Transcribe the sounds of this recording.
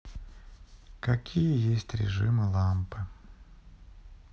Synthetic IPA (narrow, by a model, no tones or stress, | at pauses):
kɐkʲʰijəjesʲtʲɾʲɪ̰ʐɨ̰mɨlˠampɨ